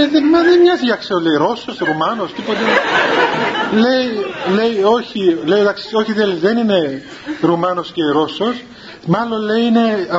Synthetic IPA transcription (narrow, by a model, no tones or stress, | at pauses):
eðemɐðemɲɐziʝɐkseolejiɾo̞so̞sɾumɐno̞st̪ipot̪e | le̞ile̞io̞çile̞iðɐksi̥o̞çiðelðenine̞ | ɾumɐno̞sce̞ɾo̞so̞s | mɐlo̞nle̞iine̞ɐ